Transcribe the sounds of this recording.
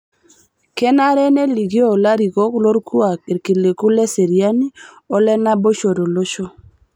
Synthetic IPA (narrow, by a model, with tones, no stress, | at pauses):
kɛ˦na˦ɾɛ˦ne˦li˨ɡi˦o˦˨la˦ɾi˨ɡɔ˦klo˦ɾkʰu˦a˨ki˨ɾki˨le˨ku˦lɛ˦se˨ɾja˦ni˦ | ɔ˦lɛ˦na˦bo˦ʃo˨ɾo˨lo˦ʃo˦